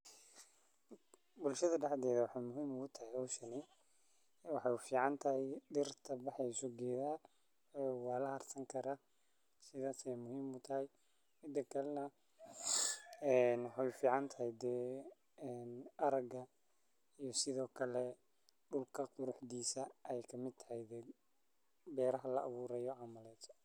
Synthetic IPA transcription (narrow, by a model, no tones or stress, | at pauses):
bʊlʃɐðɐɖɛħd̪ɛːðɐwɑħɑjmʊɦiːmʊʊt̪ʰɐɦɪhɔwʃɐni | wɑħɑjʊfiːʕɑnt̪ʰɐhɛjɖɪrt̪ʰɐbɑħɛjʊsɔɡɛːðaː | ɛwɑːlɐhɐrsɐŋkʰɐɾaː | sɪðaːsɛjmʊhiːmʊt̪ʰɐhɛj | mɪd̪ɐkʰɐlnɐ | ɛnwɑħɑjfiːʕɑnt̪ʰɐɦɪjd̪ɛː | nɐɾɐɡɐ | ijɞsɪðɔːkʰɐlɛ | ɖʊlkʰɐqʊɾʊħd̪iːsɐʔɛjkʰɐmɪd̪̚t̪ʰɐhɛjd̪ɛː | bɛːɾɐɦɐlɐɐβuːɾɛjɔʕɑmɐlɛːt̪ʰ